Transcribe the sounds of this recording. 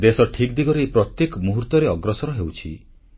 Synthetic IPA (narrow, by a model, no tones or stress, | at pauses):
d̪esɔʈʰikd̪iɡɔɾeepɾɔt̪jekɔmuɦuɾt̪ɔɾeɔɡɾɔsɔɾɔɦewt͡ʃʰḭ